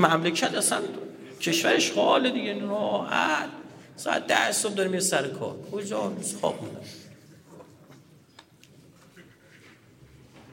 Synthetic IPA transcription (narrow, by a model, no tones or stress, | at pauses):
mæmlecʰæt̪æsæn | cʲʰeʃvæɾeʃhɒːled̪iɡenɾɔːhæt̪sɔ̰a̰t̪̚d̪æsob̚d̪ɒɾemiɾesæɾekʰɒ̰ːɾkʰod͡ʒɒsxɒ̰ːbmund̪a